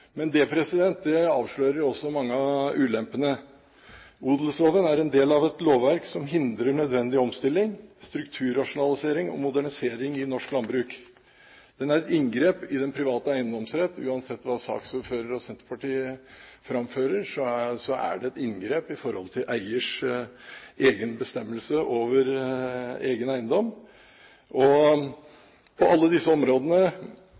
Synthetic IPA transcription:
mɛnd̪ɛːpʰɾɛsɪd̪ɛnt̪̚d̪ɛɑːʋʂɭøːɾəɾjʊɔsːɔmɑŋːəɑʉːlɛmpənə | uːd̪l̩sloːʋənæɾɛnd̪eːlɑʋɛt̪loːʋʋæɾksɔmɦɪnd̪ɾəɳœd̪ʋɛnd̪ɪɔmst̪ɪlːɪŋst̪ɾʉkt̪ʰʉːɾɑʂʊnɑlɪseːɾɪŋɔ̰mʊd̪æɳɪseːɾɪŋɪnɔʂklɑnbɾʉːk | d̪̥ɛnæɾɛt̪ɪnɡɾeːpɪd̪ɛnpʰɾɪʋɑːt̪əæɪənd̪ɔmsɾɛt̪ːʉ̰ːɑnsɛt̪ːʋɑːsɑ̰ːksuːføːɾəɾɔsɛnt̪əɾpʰɑʈiːəfɾɑmføːɾəɾʂɔsɔæ̰ɖɛɛt̪ɪnɡɾeːpɪfɔɾhɔlt̪ʰɪlʔæɪəʂ | eːɡənbəst̪ɛmːəlsəʔoːʋəɾ | eːɡənæɪənd̪ɔmː | ʔɔ | pʰɔʔɑlːəd̪ɪsːəɔmɾoːd̪ənə

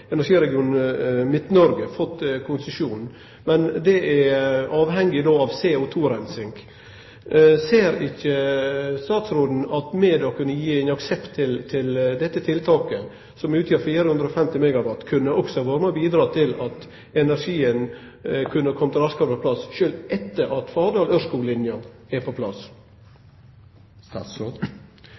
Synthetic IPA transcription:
ɛnæɾʂiːɾɛɡɪuːnmɪt̪nɔɾɡəfɔt̪ːkʰʊnsəʂuːn | mɛnd̪ɛʔæɑːʋhɛŋɡɪd̪oːɑʋseːɔt̪ʰuːɾɛnsɪŋɡ | seːɾɪçːəst̪ɑːt̪sɾoːd̪n̩ɑt̪meːd̪ɔkʰʉnːəjiːæɪnɑksɛpt̪ʰːɪlt̪ʰɪld̪ɛt̪ːət̪ʰɪlt̪ʰɑːkə | sɔmʉːt̪jøːɾfiːɾəhʉnd̪ɾəɔfɛmt̪ɪmɛɡɑʋɑt̪ːkʰʉnːəʔɔksɔɑːʋɑɾməbiːd̪ɾɑːt̪ʰɪlɑt̪ | ɛnæɾʂiːən | kʰʉnːəkʰɔmət̪ʰɪlɑskʰɑɾpʰɔpʰlɑsʃøːlʔɛt̪ːəɾʔɑt̪fɑːd̪ɑːlœʂkuːlɪnjɑ | ɛpʰɔpʰlɑs

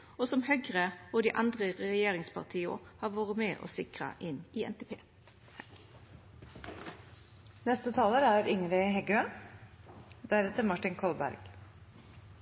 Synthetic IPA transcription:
oːsɔmhœɡʁəoːd̪iːʔɑnd̪ʁəʁɛɛjeːʁɪŋspʰɑ̰ʁt̪ʰiːʊ̰hɑːʋoːʁəmeːʔo̰ːsɪkʁɑ̰ʔɪniːɛ̰nt̪eːpʰeː | nɛst̪ət̪ʰɑːləɾæːɾʏŋɾɪɦɛɡʉə | d̪æɾɛt̪əɾmɑʈɪnkʰɔlbæ̰ɾɡ̥

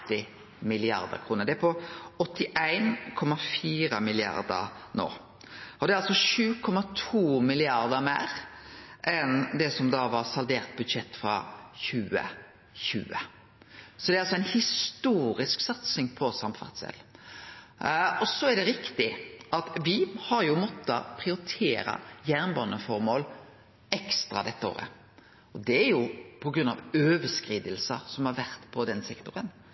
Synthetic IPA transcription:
t̪ːɪ | mɪlɪɑ̰ɾd̪ə̰ɾkʰɾuːnəɾd̪ɛæpʰɔɔt̪ːɪʔæɪnkʰɔmɑfiːɾəmɪlɪɑ̰ɾd̪ə̰ɾno̰ː | ʔɔd̪ɛæɾɑlsɔʃʉːkʰɔmɑt̪ʰuːmɪlɪɑɾd̪əɾmæːɾ | ʔɛnd̪ɛsɔmd̪ɑːʋɑɾsɑld̪eːʁt̪̚bʉd̪ʂɛt̪ːfɾɑ̰çʉːə̰ | çʉ̰ːə | sɔd̪ɛɾɑlsɔæɪnhɪst̪uːɾɪsksɑt̪sɪŋpʰɔsɑmfɑ̰ʁt̪sɛ̰lː | ɔsɔæɖ̪ɛɾɪkt̪ɪɑt̪ʋɪhɑɾjʊmɔt̪ːɑ̰pʰɾɪʊɾɪt̪ʰeːɾɑ̰jæːʁnbɑnːəfɔɾmoːl | ɛkst̪ɾɑ̰d̪ɛt̪ːəo̰ːɾə̰ | ɔd̪ɛæɾjʊpʰɔɡɾʉnɑʋøːʋəskɾiːd̪əlsəsɔmhɑɾʋæɾt̪pʰɔd̪ɛnsɛkt̪ʊɾən

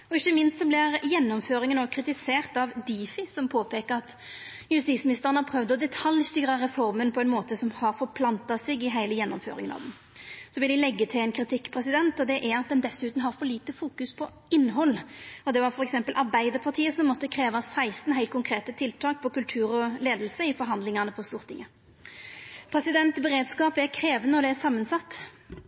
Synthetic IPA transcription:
ɔɪçːəmɪnst̪sɔblɪɾjɛnːɔmføːɾɪŋənɔkʰɾɪt̪ɪseːʁt̪ɑʋd̪iːfɪsɔmpʰoːpʰeːkəɾɑt̪ | jʉst̪iːsmɪnɪst̪əʁənəɑpʰɾœʋd̪ɔd̪ɛt̪ʰɑljst̪yːɾɑɾɛfɔɾmənpʰɔɛnmoːt̪əsɔmhɑɾfɔɾpʰlɑnt̪ɑsɪɡɪɦæɪləjɛnːɔ̰mfø̰ːɾɪ̰ŋənɑ̰ʋd̪n | sɔʋɪld̪ɪlɛɡːət̪ʰɪlɛnkʰɾɪt̪ʰɪkːpʰɾɛsɪd̪ɛnt̪ɔd̪ɛʔæɾɑt̪̚d̪ɛnd̪ɛsːʉːt̪n̩ɦɑɾfɔɾliːt̪əfuːkʉspʰɔ | ɪnːɦɔlːɔd̪ɛʋɑɾfɔɾɛksɛmpəlʔɑɾbæɪd̪əɾpʰɑt̪ʰiːəsɔmːɔt̪ːəkʰɾeːʋɑsæɪst̪n̩ɦæɪlt̪kʰʊŋkʰɾeːt̪ət̪ʰɪlt̪ʰɑːk̚pʰɔkʉlt̪ʰʉːɾɔleːd̪lsəɪfɔɾɦɑnd̪lɪŋɑnəpʰɔst̪uːʁt̪ʰɪŋːə | pʰɾɛsɪd̪ɛnt̪bɛɾeːd̪skɑːpæɾkʰɾeːʋənəɔd̪ɛæɾsɑmːənsɑt̪ː

